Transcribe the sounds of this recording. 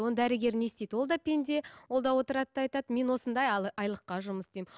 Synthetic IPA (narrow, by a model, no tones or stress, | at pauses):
onəd̪æɾɪɡʲe̞ɾne̞st̪ejd̪wo̞lˠd̪ɑpʰʲe̞nd̪e̞wwo̞lˠd̪ɑwo̞t̪əɾɑt̪əɑjt̪ɑd̪əme̞nwo̞sənd̪ɑjɑjlˠəqːɑʒʊməsd̪ejm